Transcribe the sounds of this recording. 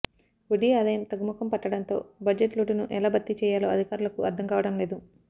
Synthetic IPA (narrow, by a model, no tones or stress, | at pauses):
uɖiaːd̪ɐjɐmt̪ɐɡɐmukɐmpɐʈːɐɽɐnt̪o̞ːbɐd͡ʒeʈluːʈunuʔɛlaːbɐt̪ːit͡ʃɛːjaːloːɐd̪ʱikaːɾulɐkuʔɐ̰ɾd̪ʱːɐŋkaːʋɐɽɐmle̞ːd̪u